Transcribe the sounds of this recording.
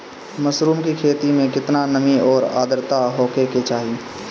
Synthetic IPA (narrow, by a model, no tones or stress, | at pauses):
məsɾuːmkikʰeːt̪imẽkɪt̪nanəmiɔːɾa̰ːd̪əɾt̪aɦɔːkeket͡ʃaːɦi